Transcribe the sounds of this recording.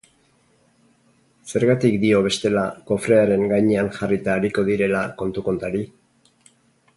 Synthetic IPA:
se̞ɾɣat̪ikd̪io̞β̞e̞st̪e̞lako̞fɾe̞aɾe̞ŋɡajɲeanxarit̪aːɾiko̞ðiɾe̞lako̞nt̪uko̞nt̪aɾi

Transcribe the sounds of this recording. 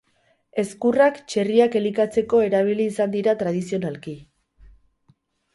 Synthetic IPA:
e̞skurakt͡ʃe̞riake̞likat͡se̞ko̞e̞ɾaβ̞iliːsand̪iɾat̪ɾað̞isio̞nalki

